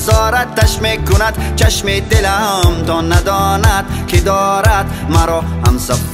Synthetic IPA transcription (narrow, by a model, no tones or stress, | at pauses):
zɔːɾat̪̚d̪aʃmekunad̪t͡ʃʰaʃmed̪elaamt̪ɔnad̪ɔnad̪̚kʰid̪ɔːɾad̪ | maɾɔhamsa